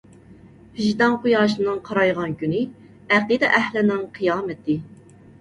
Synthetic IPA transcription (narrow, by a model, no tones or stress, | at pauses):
hyʒd̪ɑŋqujɑːʃɨnɨŋqʰɑɾɑjʁɑnkʲynɪ | æqɨd̪ɛʔæhlɪnɪŋqʰɨjɑːmɛt̪ʰɪ